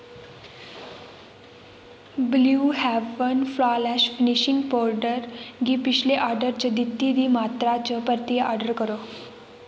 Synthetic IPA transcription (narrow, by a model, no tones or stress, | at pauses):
bluːɦæʋənflalæɕfiniɕiŋɡpɔɾɖəɾɡiːpiɕleʔaɾɖəɾt͡ɕəd̪it̪ːid̪iːmat̪ɾat͡ɕəpəɾt̪ijəʔɔɾɖəɾkəɾo